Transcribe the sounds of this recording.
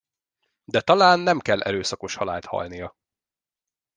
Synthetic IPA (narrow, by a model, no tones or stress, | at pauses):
d̪ɛt̪ɒlaːnːɛmkɛlːʔɛ̰ɾøːsɒko̞ʃhɒla̰ːlt̪hɒ̰lnijɒ